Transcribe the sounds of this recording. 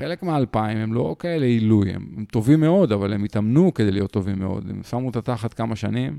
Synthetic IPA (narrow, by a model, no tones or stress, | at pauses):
χe̞le̞kmeaːlpaimemlo̞kae̞leilujḛmemt̪o̞vimːeo̞d̪avalemit̪amnuked̪ejlijot̪ːo̞vimːeo̞̰d̪ḛmsamut̪at̪aχat̪kamaʃanim